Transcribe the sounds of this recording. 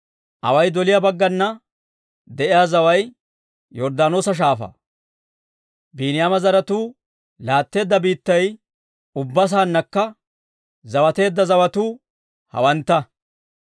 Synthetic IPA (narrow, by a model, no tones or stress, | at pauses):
ʔɐ̰wɐjd̪ɔlɪjabɐɡːɐnːɐ | d̪ɛʔɪjaːzɐwɐj | jɔɾd̪aːno̞ːsɐʃ̬aːfɐ̰ | biːnɪjaːmɐzɐɾɐt̪uː | laːt̪ːe̞ːd̪ːɐbiːt̪ːɐj | ʊbːɐs̬aːnːɐkːɐ | zɐwɐt̪e̞ːd̪ːɐzɐwɐt̪uː | hɐ̰wɐnt̪ːɐ